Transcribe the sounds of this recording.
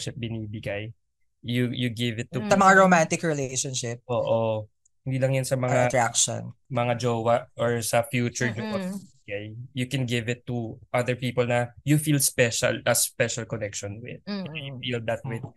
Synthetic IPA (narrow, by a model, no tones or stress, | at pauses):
ʃɪp̚bɪniːbɪɡaj | jujuɡɪvɪt̪ːusɐmɐŋaɹomant̪ɪkɹɪlejʃɔnʃɪp̚ʔoːʔo | hɪnd̪iːlɐŋjɐnsɐmɐŋaɐt̪ɾakʃo̰nmɐŋad͡ʒowɐʔʔɔɹsɐfjuːt͡ʃʊɹd͡ʒopot̪bibɪɡajjukɛnɡɪvɪt̪ːuʔɐðəɹpiːpɔlnɐjufiːlspɛʃɐ̰lɐspɛʃɐlkɔnɛkʃɔnwɪ̰d̪̚ɛjufild̪ɐt̪̚wɪd̪